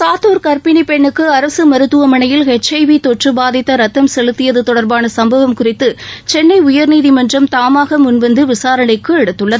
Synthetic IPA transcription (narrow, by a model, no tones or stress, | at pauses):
saːt̪oːɾkɐɾpɪnipɛɳːɯkːɯɐɾɐsɯmɐɾɯt̪ːɯʋɐmɐɳɐjɪlɦɛt͡ʃːɐɪʋit̪ɔʈrɯbaːðɪt̪ːɐɾɐt̪ːɐmsɛlɯt̪ːɪjɐðɯt̪ɔɽɐɾbaːnɐsɐmbɐʋɐmkʊrɪt̪ːɯt͡ʃɛnːɐɪʊjɐɾniːðimɐndrɐmt̪aːmaːɣɐmʊnʋɐnd̪ɯʋɪsaːɾɐɳɐɪkːɯɛɽɯt̪ːɯɭːɐðɯ